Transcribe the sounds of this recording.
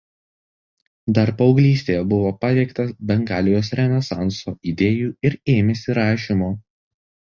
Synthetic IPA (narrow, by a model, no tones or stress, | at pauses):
d̪ɐɾpɒʊɡlʲiːsʲt̪ʲeːjɛbʊʋoːpɐt̪ʲɛɪkt̪ɐbʲɛŋɡɑːlʲɪjoːsɾʲɛnʲɛsɑ̰ˑnsoːid̪ʲeːjuːɪɾeːmʲɛsʲɪɾɑːʃʲimoː